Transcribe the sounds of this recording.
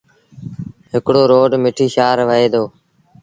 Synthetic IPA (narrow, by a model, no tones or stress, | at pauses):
ɦɪkɽoːɾoːɖmɪʈʰiːʃaːɾʋəeːd̪oː